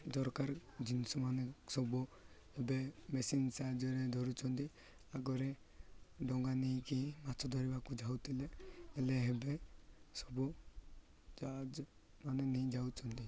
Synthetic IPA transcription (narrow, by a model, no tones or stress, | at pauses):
d̪ɔɾkaɾd͡ʒinsɔmanɛsɔbu | ɛbɛmɛsinsad͡ʒɔɾɛd̪ʱɔɾut͡ʃʰɔnt̪i | aɡɔɾɛ | ɖɔŋɡanikimat͡ʃʰɔd̪ʱɔɾibakud͡ʒʱawt̪ilɛːlɛɦɛbɛsɔbu | d͡ʒad͡ʒ | manɛnid͡ʒawt͡ʃʰɔnt̪i